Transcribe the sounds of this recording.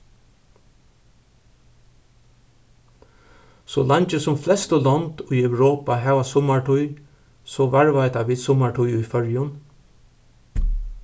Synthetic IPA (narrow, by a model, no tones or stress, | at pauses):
sɔlaɲt͡ʃəsʊmflɛst̪ɔlɔnt̪ʊjœwɹoːpaɦɛːʋasʊmaʈʰʊj | sɔʋaɹvajt̪aʋiːðsʊmaʈʰʊjʊjfœɹjʊn